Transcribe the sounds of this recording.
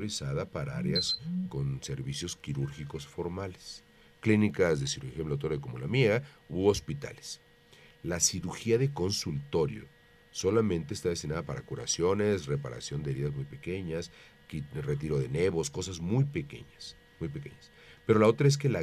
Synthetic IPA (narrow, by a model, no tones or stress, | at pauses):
oɾisaðapaɾaa̰ɾeasko̞nse̞ɾβisjo̞skiɾuɾxiko̞sfo̞ɾmales | klinikazðe̞siɾuɾxiemlawt̪oɾaeko̞molamjeɣauospit̪a̰les | lasiɾuɾxiaðe̞ko̞nsult̪o̞ɾjo̰ | so̞lamẽ̞nt̪e̞ːst̪aðe̞st̪inaðapaɾa̰kuɾa̰sjo̞ne̞sre̞paɾa̰sjo̞nd̪eɾiðazmujpe̞ke̞ɲas | kire̞t̪iɾo̞ðe̞ne̞βo̞sko̞sazmujpe̞kḛɲas | mujpe̞ke̞̰ɲas | peɾo̞lao̞t̪ɾae̞s̬kela